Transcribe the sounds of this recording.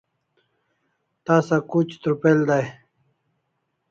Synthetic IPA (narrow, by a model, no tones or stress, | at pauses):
t̪aːsakut͡ɕt̪ɾupeld̪aj